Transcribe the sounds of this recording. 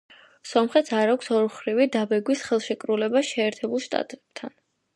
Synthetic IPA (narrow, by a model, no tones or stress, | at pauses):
sɔmχɛt̪sʰaɾakʷʰsɔɾχɾivid̪abɛɡwisχɛlˠʃɛkʼɾulɛbasʃɛːɾt̪ʰɛbulˠʃt̪ʼa̰t̪̚ʼt̪ʰa̰n